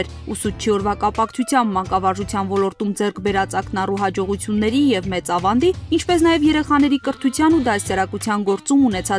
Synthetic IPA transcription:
ɛɾ | usut͡ʃʰiɔɾvɑkɑpɑkʰt͡sʰut͡sʰjɑmbmɑŋkɑvɑɾʒut͡sʰjɑnvɔlɔɾt̪umd͡zɛrkʰbɛɾɑt͡sɑknɑruɦɑd͡ʒɔʁut͡sʰjunːɛɾijɛvmɛt͡sɑvɑnd̪iint͡ʃʰpɛsnɑjɛvjɛɾɛχɑn̪ɛɾikəɾt̪ʰut͡sʰjɑnud̪ɑsjɑɾɑkut͡sʰjɑnɡɔɾt͡sumunɛt͡sʰɑ

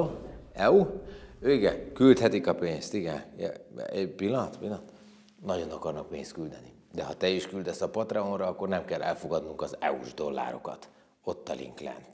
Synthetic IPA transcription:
ɛuøiɡɛkylt̪hɛt̪ikɒpeːnst̪iɡɛnjɛ̰pilːɒnt̪pilːɒt̪ | nɒɟo̞nɒkɒrnɒk̚peːnst̪̚kyld̪ɛni | d̪ɛɦɒt̪ɛiʃkyld̪ɛsɒpɒt̪rɛonrɒɒkːo̞rnɛmkɛlːʔɛ̰lfo̞ɡɒd̪nuŋkɒzɛ̰ṵʒd̪o̞lːa̰ːɾo̞̰kɒ̰t̪ | o̞t̪ːɒlḭŋklɛ̰n

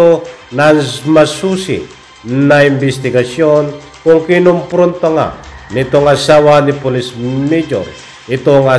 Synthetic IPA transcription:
onanmasusḭ | naimbist̪iɡasjon | koŋkinoŋpɾont̪aŋa̰nit̪oŋasawanipolismed͡ʒo̰ɾ | it̪oŋa

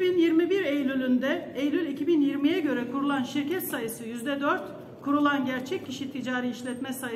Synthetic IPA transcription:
binjiɾmibiɾejlʲylʲynd̪ɛejlʲylʲicʰibinjiɾmijɛɟø̞ɾɛkʰuɾulˠanʃiɾcʰɛt̪sajɯsɯjyzd̪ɛd̪øɾt̪ | kʰuɾulˠanɟæɾt͡ʃʰɛc̚cːiʃit̪ʰid͡ʒaːɾiiʃlʲɛt̪mɛsaj

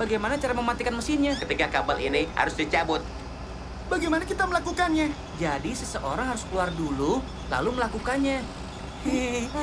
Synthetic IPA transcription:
baɡajmanat͡ʃaɾaməmat̪ikanməsɪnɲakət̪ikakabalḭniha̰ɾʊsdit͡ʃabʊt̪̚ | baɡajmanakit̪aməlakukanɲa | d͡ʒadisəsəʔoɾaŋɦaɾʊskəluardulu | la̰luməlakukanɲa

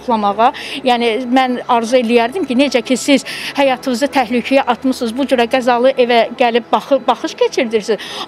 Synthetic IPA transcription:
χlˠɑmɑʁɑjæːnimænɑɾzɯelijæɾd̪imcʰined͡ʒæcʰisiz̥hæjɑt̪ʰɯmɯzɯt̪ʰæhlycʰijæʔɑt̪mɯsɯzbud͡ʒøɾæɡæzɑlˠɯʔevæɟælib̚bɯbɑχɯʃcʰe̞t͡ʃʰiɾd̪iɾsiz

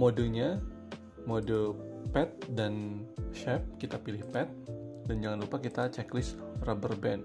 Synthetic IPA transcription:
modoɲa | modopɛt̪̚danʃɛp̚kit̪apilɪhpɛt̪̚dand͡ʒaŋanlupakit̪at͡ʃɛklɪs | rabərbɛn

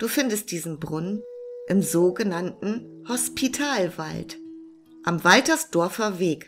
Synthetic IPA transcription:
d̥uːfɪndəst̚d̥iːzn̩bʁʊnənʔɪmzoːɡənantn̩hɔspʰitʰaːlva̰lt | ʔamvaltɐsd̥ɔɐfɐveːk

